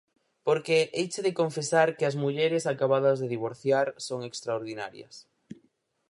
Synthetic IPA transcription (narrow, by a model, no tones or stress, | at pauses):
poɾkeʔejt͡ʃeðekoɱfesaɾkɪɐzmuʎɛɾesakaβaðɐzðeðiβ̞oɾθjaɾsoŋekst̪ɾaoɾðina̰ɾjɐ̰s